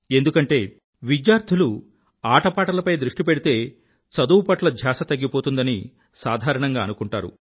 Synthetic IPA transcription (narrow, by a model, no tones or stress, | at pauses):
e̞nd̪ukɐɳʈe̞ː | ʋid͡ʒjaːɾd̪ʰʱilu | aːʈɐpaːʈɐlɐpɐjd̪ɾuʂʈipeɽit̪e̞ː | t͡ʃɐd̪uːpɐʈlɐd͡ʒʱjaːsɐt̪ɐɡːipo̞ːt̪und̪ɐni | saːd̪ʱaːɾɐɳɐŋɡaːɐnukuɳʈaːɾṵ